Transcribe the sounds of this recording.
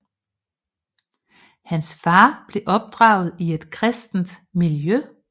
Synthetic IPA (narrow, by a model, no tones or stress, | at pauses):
hænsfɑ̈ːb̥le̝ʔɒ̽b̥̚d̥ʁɑ̈ːʊð̞̩ˠie̝d̥kʰʁɛsd̥n̩d̥miljø